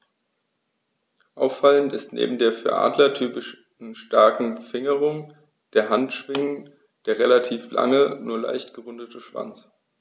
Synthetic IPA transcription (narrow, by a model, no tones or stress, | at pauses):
ʔaʊfalən̩tɪstnḛːbm̩deːɐfyːɐʔa̰ːdlɐtʰyːpɪʃ | n̩ʃtaɐkŋ̩fɪŋəʁ̞ʊŋ | d̥eːɐɦantʃv̥ɪŋən | d̥eːɐʁelatʰiːfla̰ŋənuːɐla̰ɪçtɡ̥əʁʊndətʰəʃv̥a̰nt͡s